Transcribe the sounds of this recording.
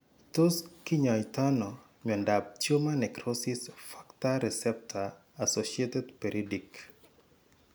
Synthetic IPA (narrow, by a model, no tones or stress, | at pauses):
toskiɲɔjtanɔ | ɲɔndap̚t͡ʃjomanɛkɾosisfḁktaɾɛsɛp̚tʰaː | soʃietedpeɾʔidik